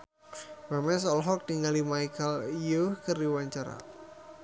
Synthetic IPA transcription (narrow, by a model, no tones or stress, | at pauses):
b̥amɛsɔlɦɔk̚diŋalimajkəljukərdiwaɲt͡ʃaɾa̰